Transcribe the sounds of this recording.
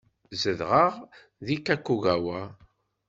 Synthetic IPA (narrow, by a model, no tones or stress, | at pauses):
zəðʁəʁ | ðikːækːuɣæwæ